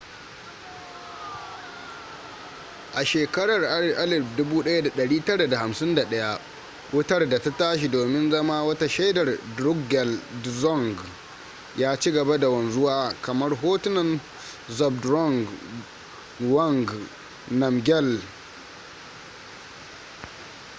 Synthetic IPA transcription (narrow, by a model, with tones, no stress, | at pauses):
ʔa˨ʃeː˨kɐ˦ɽɐ˨rʔa˦lɪ˨ʔa˦lɪ˨bdʊ˦buː˦ɗɐ˦ja˦da˨ɗɐ˨ɽiː˦tɐ˦ɽa˨da˨ha˨msɪ˦nda˨ɗɐ˦ja˦ʔ | wʔʊ˦tɐ˦rda˨ta˦taː˦ʃ̬i˨doː˨mɪ˦nzɐ˦maː˦wɐ˦ta˦ʃa˦dɐ˨rdɾʊ˦ɡɡɛ˨lzɔ˦ŋɡ | jaː˦t͡ʃi˦ɡɐ˨ba˦da˨wɐ˨nzʊ˦waː˨kɐ˨mɐ˦rɦoː˦tɪ˦nɐ˨n | zɔ˨b̚dɾɔ˦˨ŋɡ | wɐ˦ŋɡ | nɐ˨mɡʲɛ˦˨l